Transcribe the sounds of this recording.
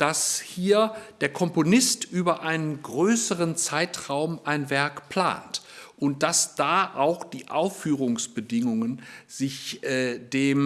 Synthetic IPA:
d̥ashiːɐd̥eːɐkʰɔmponɪstʔyːbɐʔaɪnənɡʁøːsəʁənt͡saɪtʁ̥aʊmʔaɪnvɛɐkpl̥a̰ːntʔʊnt̚d̥asd̥aːʔaʊxd̥iːʔaʊfyːʁʊŋsb̥ədɪŋʊŋənz̥ɪçʔɛːd̥eːm

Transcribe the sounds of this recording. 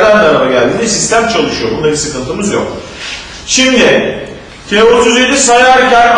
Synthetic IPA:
lænd̪aɾamaɟælʲd̪iːnisist̪ʰæmt͡ʃʰalˠɯʃɯjo̞bund̪ˠaɾisɯkɯnt̪ʰɯmɯzjo̰k | ʃimd̪iɪ | cʰeot̪ʰyzjed̪isajaɾɟæɾm

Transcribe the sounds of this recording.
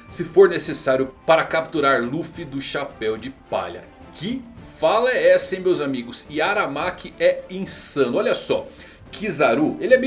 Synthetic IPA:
sɪfoɾnesesaɾjʊpaɾɐkapt̪uɾaɾlufɪd̪ʊʃapɛwd͡ʒɪpa̰ʎɐ̰ | kɪfalɐɛɛsẽj̃mewzamiɡʊsɪaɾamakɪɛẽsɐ̃nʊɔʎɐsɔ̰ | kʰizaɾuelɪɛme

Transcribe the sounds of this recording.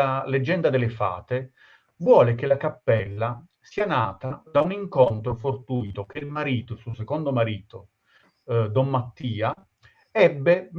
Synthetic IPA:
aled͡ʒːɛnd̪ad̪elɪfa̰ːt̪e | vwɔːlekelakapːɛlːa | siːanaːt̪ad̪auniŋkont̪ɾofort̪uːt̪ok̟eilmaɾiːt̪osusekond̪omaɾiːt̪o | d̪ɔmːat̪ːiːa | ɛbːem

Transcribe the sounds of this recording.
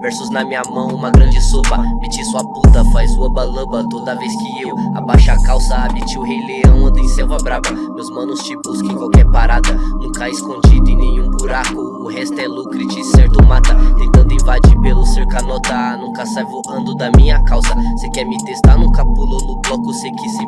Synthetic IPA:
vɛɾsʊznɐmĩɲɐmɐ̃w̃ũmɐɡɾɐ̃d͡ʒɪsobɐmet͡ʃisuɐput̪ɐfajzuɐbɐlɐ̃bɐt̪od̪ɐveskɪewabajʃakawsɐabit͡ʃiʊɦejleɐ̃w̃ɐ̃nd̪ẽsɛwvɐbɾavɐ | mewzmɐ̃nʊst͡ʃibuskẽj̃kwawkɛɾpaɾad̪ɐnũkɐaɪskõd͡ʒid̪ʊẽnẽɲũbuɾakʊːhɛst̪ʊɛlukɾit͡ʃɪsɛɾt̪ʊmat̪ɐhĩt̪ɐ̃nd̪ʊĩvad͡ʒipelʊseɾkanɔt̪ɐanũkɐsajvohɐ̃nd̪ʊd̪ɐmĩɲɐkawsɐsekɛɾmɪt̪est̪aɾnũkapulonʊblɔkʊsekisim

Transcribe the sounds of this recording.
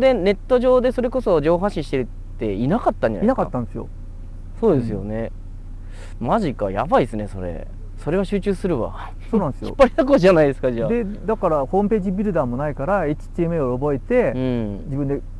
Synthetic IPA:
d̪e̞ne̞t̪ːo̞ʑo̞ːd̪e̞so̞ɾe̞ko̞so̞d͡ʑo̞ːɦaɕĩɕi̥t̪e̞ɾɯ̟ | t̪ːe̞inakat̪ːãɲd͡ʑa̰naḭnakat̪ːãnd̪esɨjo̰ | so̞ːd̪e̞sɨjo̞̰ne̞ | maʑika̰ja̰baisɨne̞so̞̰ɾe̞̰ | so̞ɾe̞βaɕɨːt͡ɕɨːsɨɾɯ̟βa̰ | soːnãnd̪esɨjoḭpːaɾenakoʑanaid̪esɨ̥kad͡ʑiad̪e̞d̪akaɾaho̞ːmɯ̟pe̞ːʑibʲiɾɯ̟d̪aːmo̞naikaɾaeit͡ɕi̥t̪ʲiemɯeoobo̞e̞t̪e̞ɯ̃d͡ʑibɯ̃nd̪e

